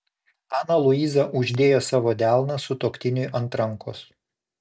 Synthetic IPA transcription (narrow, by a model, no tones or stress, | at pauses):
ɑːnɐlˠʊiːzɐʔʊʒʲd̪ʲeːjoːsɑːʋoːd̪ʲæˑlˠnɐsʊt̪oːkʲt̪ʲɪnʲʊjʔɐnt̪ɾɐŋko̰s